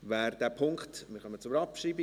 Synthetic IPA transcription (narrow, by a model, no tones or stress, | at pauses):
væːɾdæːpʰʊŋkχtmɪɾχœmət͡sʊɾɑpʃriːbi